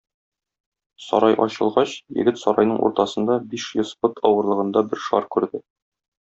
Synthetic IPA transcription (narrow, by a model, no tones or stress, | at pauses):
sɒ̰ɾɑjʔɒɕɤ̆lˠʁɑɕjɘ̰̆ɡɘt̪sɒɾɑjnɤɴʔṵɾt̪ɑsɤ̆nd̪ɑbiʃjŏspɤt̪ʰɒwɤ̆ɾlˠɤ̆ʁɤ̆nd̪ɑbɘɾʃɒɾkʉɾd̪ɘ